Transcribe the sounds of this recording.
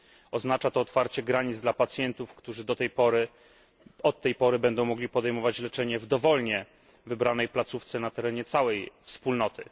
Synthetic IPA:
ɔznat͡ʂat̪ɔːt̪faɾt͡ɕɛɡɾaɲid̪zd̪lapat̪sʲjɛnt̪ufkt̪uʐɘd̪ɔt̪ɛjpɔɾɘ | ɔt̪ːɛjpɔɾɘbɛnd̪ɔ̃w̃mɔɡlʲipɔd̪ɛjmɔvat͡ɕlɛt͡ʂɛɲɛvd̪ɔvɔlɲɛ | vɘbɾanɛjplat̪suft̪sɛnat̪ɛɾɛɲɛt̪sawɛjfspulnɔt̪ɘ̰

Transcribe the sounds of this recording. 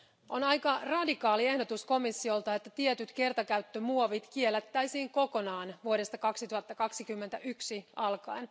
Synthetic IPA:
ʔo̞nɑjkɑrɑdikɑːlie̞hdo̞t̪usko̞misːio̞lt̪ɑe̞t̪ːæt̪iet̪yt̪ke̞rt̪ɑkæɥt̪ːømuoʋit̪kielːæt̪ːæjsiːŋko̞ko̞nɑːnʋuoɾe̞st̪ɑkɑksit̪uhɑt̪ːɑkɑksikymːent̪æ̰ʔyksiɑlkɑin

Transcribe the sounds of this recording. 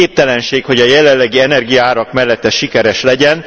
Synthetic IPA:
eːp̚t̪ɛlɛnʃeːkho̞ɟɒjɛlɛlːɛɡiɛnɛrɡijɒaːɾɒkmɛlːɛt̪ːɛʃikɛɾɛʃlɛɟɛn

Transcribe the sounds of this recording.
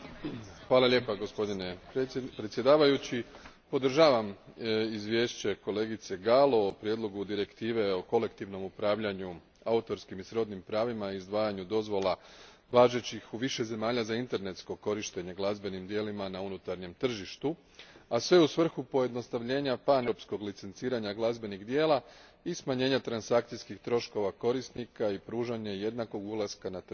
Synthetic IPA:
xʋaːlˠaʎʲe̞ːpaɡo̞spo̞d̪ine̞pɾet̪sjed̪aːʋajut͡ɕi | po̞d̪r̩ʒaːʋamizʋje̞ːʃt͡ɕe̞ko̞le̞ːɡit̪se̞ɡalo̞ːpɾjed̪lo̞ɡud̪iɾe̞kt̪iːʋe̞o̞ko̞le̞kt̪iʋno̞mupɾaːʋʎaɲu | aut̪o̞ɾskimisɾo̞d̪nimpɾaːʋimaiiːzd̪ʋaːjaɲud̪o̞zʋo̞lˠa | ʋaːʒe̞t͡ɕixuʋiʃe̞ze̞maːʎazaint̪e̞ɾne̞t̪sko̞ko̞ɾiʃt̪e̞ɲe̞ɡlˠazbe̞nimd̪je̞limanaunut̪aɾɲe̞mt̪r̩ʒiʃt̪u | asʋe̞usʋr̩xupo̞je̞d̪no̞st̪aʋʎe̞ːɲapanopsko̞ɡlit̪se̞nt̪siːɾaɲaɡlˠazbe̞niɣd̪je̞ːlaismaɲe̞ːɲat̪ɾansakt̪sijskixt̪ɾo̞ʃko̞ʋako̞ɾist̪nikaipɾuːʒaɲe̞je̞d̪nako̞ɡulˠaskanat̪

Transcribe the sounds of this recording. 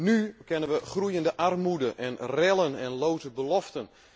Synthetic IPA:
nykɪnənʋəχrujəndəʔarmudəʔɛnrɛlˠənɛnlowtəbəlɔftən

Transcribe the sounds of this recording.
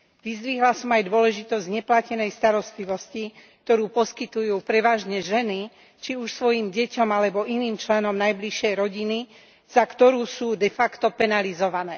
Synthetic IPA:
ʋizd̪ʋiɦlasɔmajd̪ʊɔlɛʒit̪ɔzɟɲɛplacɛnɛjst̪aɾɔst̪liʋɔscikkt̪ɔɾuːpɔskit̪ujuːpɾɛʋaːʒɲɛʒɛni | t͡ʃiuʃsʋɔjiːmɟɛcɔmalɛbɔʔiniːmt͡ʃlɛnɔmnajbliʃɪɛjɾɔɟini | z̥akt̪ɔɾuːsuːd̪ɛfakt̪ɔpɛnalizɔʋanɛː

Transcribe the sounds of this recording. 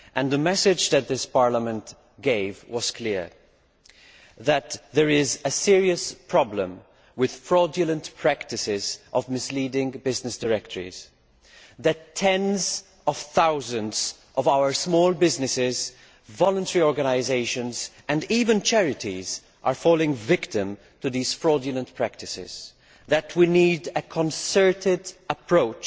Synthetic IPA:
ʔɨ̃nðəmɛsɪd͡ʒðɨt̪̚ðɪspɑɹləmə̃nt | ɡ̥eɪvwʌz̥kʰl̥ɪɹ | ðɨt̪ðəɹɪzɨsɪɹiɨspʰɹ̥ɑblə̃m | wɪð̥fɹɔdjəlˠə̃ntpʰɹ̥æktɨsɪzʔʌvmɪsliːdɪ̃ŋbɪznɨsd̥əɹɛk̚tʰəɹḭz̥ | ðɨtʰːɛ̃nz | ʌv̥θaʊzə̃nz | ʔʌvaʊə˞smɔːlˠbɪznɨsɪz | vɔlˠə̃ntɛɹiɔɹɡənaɪzeɪʃɨ̃nz | ɨ̃nivɨ̃nt͡ʃʰɛɹɪɾiz | ʔə˞fɔlˠɪ̃ŋvɪktɪ̃m | tɨðiz̥fɹɔdjɨlə̃npʰɹ̥æk̚tɨsɪ̰z̥ | ðɨt̚ʰwinidɨkʰə̃nsɜ˞tɪdəpʰɹ̥oʊt͡ʃ

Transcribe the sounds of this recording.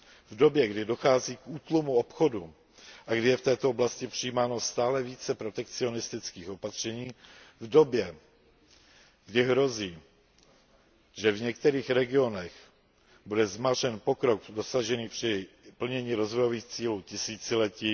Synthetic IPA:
vdo̞bjɛɡdɪdo̞xaːziːkʔuːt̪lumuopxo̞du | ʔaɡdɪjɛft̪ɛːt̪ooblascɪpr̝̥ɪiːmaːno̞st̪aːlɛviːt͡sɛpɾo̞t̪ɛk̚t͡sɪo̞nɪst̪ɪt͡skiːxopat̪r̝̥ɛɲiːvdo̞bjɛ | ɡ̥dɪɦɾo̞ziː | ʒɛvɲɛk̚t̪ɛɾiːxɾɛɡɪo̞nɛx | budɛzmarɛnpo̞kɾo̞kdo̞saʒɛniːpr̝̥ɪpl̩ɲɛɲiːɾo̞zvojo̞viːxt͡siːluːcɪsiːt͡sɪlɛciː

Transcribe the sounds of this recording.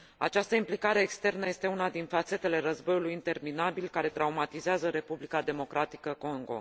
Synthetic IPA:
a̰t͡ʃast̪əimplikaɾe̞ːkst̪e̞rnəje̞st̪e̞unad̪infat̪se̞t̪e̞le̞ɾəzbo̞julujint̪e̞rminabilkaɾe̞t̪ɾaumat̪izeazəɾe̞publikad̪e̞mo̞kɾʔat̪i̥kəko̞ŋɡo̞̰

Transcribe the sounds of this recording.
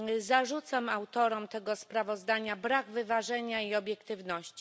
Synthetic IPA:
zaʐut̪samawt̪ɔɾɔmt̪ɛɡɔspɾavɔzd̪aɲabɾaɡvɘvaʐɛɲaiɔbʲjɛkt̪ɘvnɔɕt͡ɕi̥

